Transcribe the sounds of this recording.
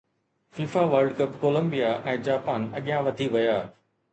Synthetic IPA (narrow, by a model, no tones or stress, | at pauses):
fiːfaʋəɾɖkɐpkoːlə̃mbijaʔɛ̃ːd͡ʑaːpaːnɐɠɪjãʋɐt̪ʰiʋɐjaː